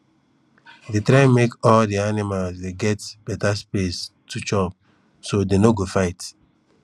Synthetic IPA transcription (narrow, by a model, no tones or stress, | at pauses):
detɾãmekɔldianimalsdeɡɛtb̥ɛtaspestʰut͡ʃɔb̚ | sodenoɡofaɪt